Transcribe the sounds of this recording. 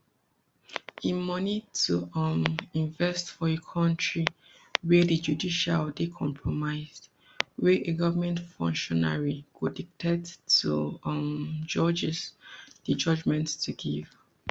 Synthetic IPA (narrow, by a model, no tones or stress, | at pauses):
ĩmɔnitʰuɔmĩnvɛstfɔekʰɔ̃ntɹi | wɛdid͡ʒudiʃaldekʰɔ̰̃mpʰɹɔmaɪzd | wɛʔeɡɔvəmɛ̃ntfɔ̰̃ŋkʃɔna̰ɹiɡodik̚tʰɛdtumd͡ʒɔd͡ʒɛsd̥əd͡ʒɔd͡ʒmɛ̃ntːuɡiv